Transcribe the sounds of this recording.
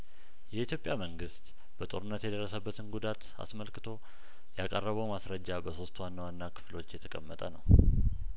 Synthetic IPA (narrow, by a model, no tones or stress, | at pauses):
jɛit̪ʰjo̞pʼjaməŋɡɨst̪ | b̥ət̪ʼo̞ɾɨnːət̪jɛd̪ərːəsəbːət̪ʰɨnɡud̪at̪ | a̰sməlkɨt̪ʰo̞ | jakʼə̰rːəβəwmasɾəd͡ʒːabəso̞st̪wanːawanːakʰɨ̥flo̞t͡ʃːjɛt̪ʰəkʼəmːət̪ʼənəw